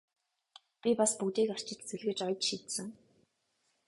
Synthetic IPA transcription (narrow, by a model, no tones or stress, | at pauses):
pʲipaspukt̪iːkar̥t͡ɕɪ̆t̪t͡sĕɮɣɘ̆t͡ɕɔjɞt͡ɕʃit̪sɘ̆ŋ